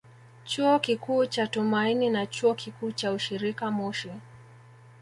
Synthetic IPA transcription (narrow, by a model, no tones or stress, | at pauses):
t͡ʃuɔkikuːt͡ʃatumaininat͡ʃuɔkikuːt͡ʃauʃiɾikamɔʃɛ